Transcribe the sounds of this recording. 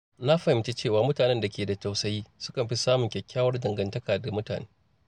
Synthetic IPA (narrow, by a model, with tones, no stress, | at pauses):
na˦ɸɐ˨hɪ˨mt͡ʃe˦t͡ʃeː˦˨waː˨mʊ˦taː˨nɛ˦nda˨kʲeː˨da˨ta˨wsɐ˦jiː˦sʊ̥˦kɐ˨mɸi˦saː˦mʊ˨ŋkʲɛ˨kʲːaː˦wɐ˦rdɐ˨ŋɡɐ˨ntɐ˦kaː˨da˨mʊ˦ta̰ː˨neː˦